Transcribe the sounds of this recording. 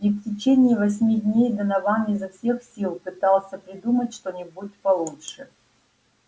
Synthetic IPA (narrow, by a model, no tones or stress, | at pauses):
iftʲɪt͡ɕenʲiːvɐsʲmʲidʲnʲejd̪ənɐvanizɐfsʲe̞xsʲilˠpɨt̪alˠsʲəpɾʲɪd̪umətʲʂt̪onʲɪbut̪pɐlˠutʂɨ